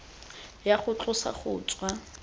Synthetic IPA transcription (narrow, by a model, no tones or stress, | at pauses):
jaχʊt͡ɬʼʊsa̰χʊ̰ːt͡sʼwa